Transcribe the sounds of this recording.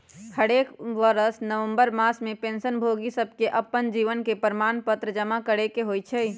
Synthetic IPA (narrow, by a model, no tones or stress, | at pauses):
həɽekʋəɾəsnəʋə̃mbəɾmasmepẽnsənbʱoɡisəbʱkeʔəpːənd͡ʒiʋənkepəɾmanpət̪ɾəd͡ʒəmakəɽekeɦojt͡ʃʰɛj